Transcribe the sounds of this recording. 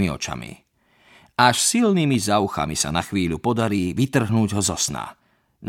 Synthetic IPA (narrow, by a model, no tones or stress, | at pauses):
miɔ̰t͡ʃa̰mḭ | aʃsilnimizauxa̰misa̰naxʋiːʎupɔd̪aɾiːʋit̪r̩ɦnuːɟɦɔzɔsna̰ | n